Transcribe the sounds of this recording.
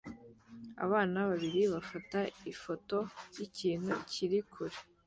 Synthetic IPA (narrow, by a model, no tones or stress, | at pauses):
a̰βaːnaβaβiɾiβafataifo̞to̞jiciːn̥hṵciɾikʰuɾe